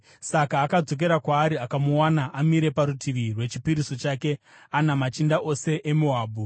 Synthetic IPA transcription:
sakaːkad͡zo̞k̬e̞ɾakwaːɾiakamuwanaʔamiɾe̞paɾutʰiʋirwe̞t͡ʃi̥piɾiso̞t͡ʃaːke̞ | anamat͡ʃindaʔo̞se̞ʔemuɦaːbʱu

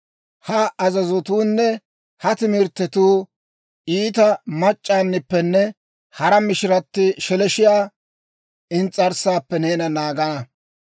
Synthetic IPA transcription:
hɐɐzɐzɔt̪uːnːɛ | hɐt̪ɪmɪɾt̪ːɛt̪uː | ʔiːt̪ɐmɐt͡ʃʼːaːnːɪpːɛnːɛ | hɐɾɐmɪʃɪɾɐt̪ːɪʃɛlɛʃɪjaː | ɪnt͡sʼːɐɾsaːpːɛneːnɐnaːɡɐnɐ

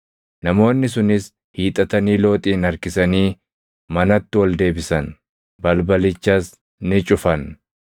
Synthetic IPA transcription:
nɐmo̞ːnːɪs̬ʊnɪs | hiːt̪ʼɐt̪ɐniːlo̞ːt̪ʼiːnɐɾkɪsɐniː | mɐnɐt̪ːɪwɐld̪e̞ːbɪsɐn | bɐlbɐlɪt͡ʃːɐs | nɪt͡ʃʼʊfɐn

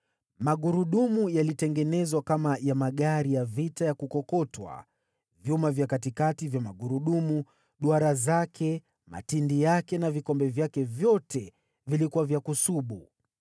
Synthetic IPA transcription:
maɠuɾuɗumujalitɛŋɡɛnɛzwakamajamaɠaɾijavitajakukɔkɔtwa̰ | vjumavjakatikativjamaɠuɾuɗumu | ɗuaɾazakʰɛ | ma̰tindijakɛnavikɔmbɛvjakɛvjɔtɛ | vilikuwavjakusuɓu

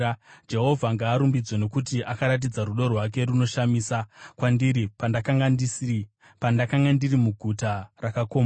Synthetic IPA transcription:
d͡ʒe̞ɦo̞vʱaŋɡaːɾumbid͡zweno̞kut̬iʔakaɾat̬id͡zaɾuɗo̞rwak̬e̞ɾuno̞ʃamiːsakwandiɾipandakaŋɡandisi | pandakaŋɡandirimuɡʱutarakako̞ːmaa

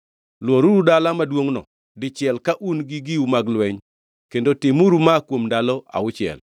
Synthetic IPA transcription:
lwoɾuɾudalamadwoŋnɔ̰ | dɪt͡ʃɪɛlkaʔunɡiɡiumaɡlwɛɲ | kendotɪmuɾumakwomndalɔʔa̰ʊt͡ʃɪɛ̰l

